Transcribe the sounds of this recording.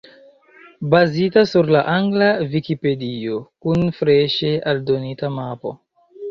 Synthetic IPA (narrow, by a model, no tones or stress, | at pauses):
bazitasuɾlaʔaŋɡlavikipe̞dio̞kunfɾeʃealdo̞nitamapo̞̰